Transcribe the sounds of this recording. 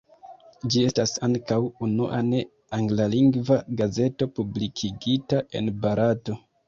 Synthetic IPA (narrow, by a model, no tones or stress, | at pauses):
d͡ʒie̞stasaŋkawunṵʔa̰ne̞ | aŋɡlaliŋɡvaɡaze̞to̞publikʰiɡitaʔe̞̰nbaɾato̞